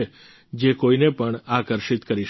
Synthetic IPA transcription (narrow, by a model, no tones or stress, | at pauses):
e | d͡ʒekoinepəɳakəɾʃit̪kəɾiʃ